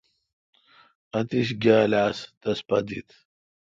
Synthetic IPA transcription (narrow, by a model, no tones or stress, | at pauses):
ɐt̪iɕɡʲaːlaːst̪ɐspɐd̪ḭt̪